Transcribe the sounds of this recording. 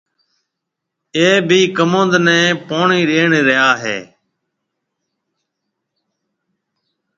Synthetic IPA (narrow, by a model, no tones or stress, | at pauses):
eːbʱiːkəmõːnd̪nɛ̃ːpoːɳiːɾeːɳɾɪɦaːɦḛː